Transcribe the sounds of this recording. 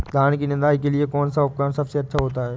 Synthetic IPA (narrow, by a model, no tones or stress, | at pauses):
t̪aːɽ̃kinɪ̃nd̪aːɦikeliekoːnsɐʋəb̚kəɽ̃sɐfseɐt̪ːʃʰaɦoːt̪aːɦeː